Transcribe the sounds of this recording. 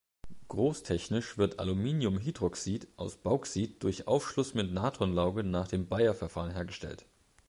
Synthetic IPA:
ɡ̥ʁoːstʰɛçnɪʃv̥ɪɐtʔa̰lumiːnjʊmɦidʁɔksiːtʔaʊsb̥aʊksiːt̚d̥ʊɐçʔa̰ʊfʃlʊsmɪtnaːtʰʁɔnlaʊɡənaːχd̥eːmbaɪɐfɛɐfaːʁənɦeːɐɡəʃtɛ̰lt

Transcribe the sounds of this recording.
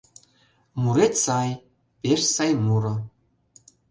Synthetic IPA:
muɾet̪sɑj | pʲeʃsɑjmuɾɤ̆

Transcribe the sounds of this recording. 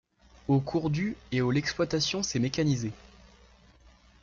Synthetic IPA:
okʰuʁd̪yeolɛksplwat̪asjɔ̃sɛmekʲanize

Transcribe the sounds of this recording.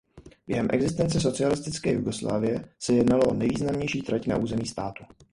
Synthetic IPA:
b̥jɛɦɛmʔɛ̰ɡzɪst̪ɛnt͡sɛs̬o̞t͡sɪalɪst̪ɪt͡skɛːjṵɡo̞sla̰ːvɪjɛsɛjɛdnaloʔonɛjviːznamɲɛjʃiːt̪ɾacna̰ʔuːzɛmiːst̪aːt̪u̥

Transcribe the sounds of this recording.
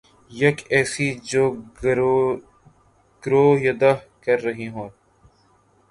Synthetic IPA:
jɐkɛːsid͡ʒoː | ɡ̥ɾoːjɐd̪akɐɾːɐɦiɦõː

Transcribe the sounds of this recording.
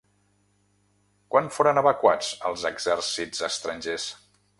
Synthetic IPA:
kwanfoɾənəβəkwat͡səlˠzəɡz̥ɛrsiz̥əst̪ɾəɲʲʒes

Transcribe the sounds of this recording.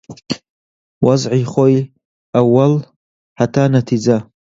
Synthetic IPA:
wazʕiχoj | awal | ħatʰanatʰid͡za

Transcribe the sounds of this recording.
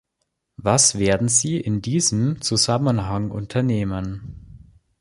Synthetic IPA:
vasv̥eːɐdn̩ziːʔɪndiːzəmt͡suzamənɦaŋʔʊ̰ntʰɐneːmən

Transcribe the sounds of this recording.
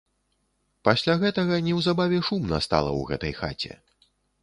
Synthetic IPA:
pasʲlʲaɣɛt̪ɐɣɐnʲɛwzabavʲɛʂumnɐ̰st̪a̰lˠɐ̰wɣɛ̰t̪ɐjxa̰t͡sʲɛ̰

